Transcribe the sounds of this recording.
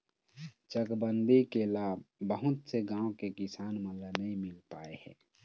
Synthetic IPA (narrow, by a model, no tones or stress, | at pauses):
t͡ʃəkbənd̪ikelaːbbəɦʊt̪seɡãːõkekɪsaːnmələnəɦĩmɪlpaːehɛ̰ː